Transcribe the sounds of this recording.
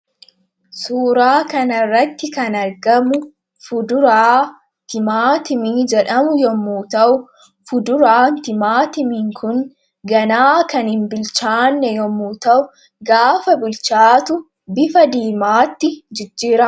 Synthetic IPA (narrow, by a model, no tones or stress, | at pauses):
suːɾaːkɐnɐrːɐt̪ːɪkɐnɐɾɡɐmʊ | fʊd̪ʊɾaː | t̪ɪmaːt̪ɪmiːd͡ʒɛᶑɐmʊjɔmːuːt̪ɐʔʊ | fʊd̪ʊɾaːnt̪ɪmaːt̪ɪmɪŋkʰʊn | ɡɐnaːkɐnhɪmbɪlt͡ʃaːnːɛjɔmːuːt̪ɐʔʊ | ɡaːfɐbɪlt͡ʃaːt̪ʊ | bɪfɐd̪iːmaːt̪ːɪd͡ʒɪd͡ʒːiːɾɐ